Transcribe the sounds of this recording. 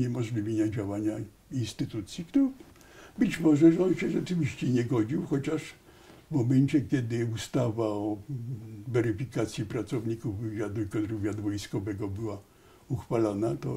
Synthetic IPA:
ɲɛmɔʐlʲivʲeɲad͡ʑawaɲa | inst̪ɘt̪ut̪sʲjikt̪u | bɘt͡ɕmɔʐɛʐɛɔnɕɛʐɛt͡ʂɘvʲiɕt͡ɕɛɲɛɡɔd͡ʑiwxɔt͡ɕaʂ | vmɔmɛnt͡ɕɛkʲɛd̪ɪust̪avaɔ | vɛɾɘfʲikat̪sʲjipɾat̪sɔvɲikuvːɘvʲjad̪uikɔɾuvʲjad̪vɔjskɔvɛɡɔbɘwa | uxfalɔnat̪ɔ

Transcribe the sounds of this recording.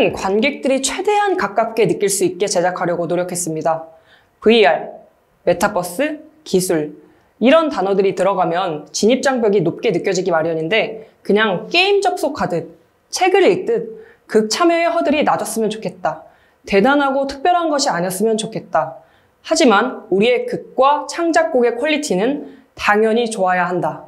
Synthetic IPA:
ɯnkwanɡe̞k̚t͈ɯɾit͡ɕʰwe̞de̞ɦankak̚k͈ap̚k͈e̞nɯk͈iɭs͈uit̚k͈e̞t͡ɕe̞d͡ʑakʰaɾjʌɡonoɾjʌkʰe̞s͈ɯmɲida | pɯiaɭ | me̞tʰapʰʌs͈ɯ | kisʰuɭ | iɾʌntanʌdɯɾitɯɾʌɡamjʌnt͡ɕiɲip̚t͡ɕ͈aŋpjʌɡinop̚k͈e̞nɯk͈jʌd͡ʑiɡimaɾjʌɲinde̞kɯɲaŋk͈e̞imd͡ʑʌk̚s͈okʰadɯn | t͡ɕʰe̞ɡɯɾiɭk̚t͈ɯn | kɯk̚t͡ɕʰamʌeɦʌdɯɾinad͡ʑʌs͈ɯmjʌnt͡ɕo̥kʰe̞t̚t͈a | te̞danɦaɡotʰɯ̥k̚p͈jʌɾɦanɡʌɕʰiaɲʌs͈ɯmjʌnt͡ɕokʰe̞t̚t͈a | had͡ʑimanuɾie̞kɯk̚k͈wat͡ɕʰaŋd͡ʑak̚k͈oɡe̞kʰwʌʎːitʰinɯn | taŋjʌɲit͡ɕoajaɦanda

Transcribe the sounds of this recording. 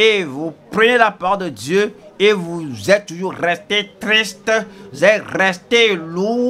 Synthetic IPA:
evupχənelapaʁɔld̪əd̪jøevuzɛt̪̚t̪uʒuʁʁɛst̪et̪ʁist̪vuzɛt̪ʁɛst̪elu

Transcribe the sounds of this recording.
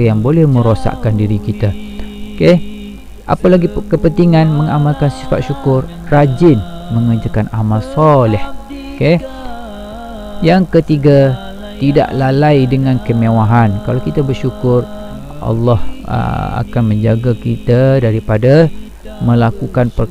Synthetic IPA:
jaŋbolɛhmə̃ɾosa̰ʔkandiɾikit̪aoke | ʔa̰palaɡikəpənt̪iŋanməŋamalkansifa̰t̪̚ʃukʊrːad͡ʒɪn | məŋəd͡ʒakanamalsɔlɛh | oke | jaŋkət̪iɡa | t̪ida̰ʔlalajdəŋankəmawaɦankalawkit̪abərʃukʊr | ʔɑ̰lːɑhə̰a̰kanmə̃ɲd͡ʒaɡakit̪adaɾipada | məlakukanpə

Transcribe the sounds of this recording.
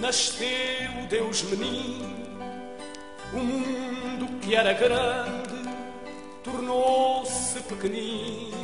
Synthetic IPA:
nɐʃt̪eud̪ewʒmɨni | umũnnd̪ukɨɛɾɐɣɾɐ̃nd̪ɨ | t̪uɾnosɨpɨkɨni

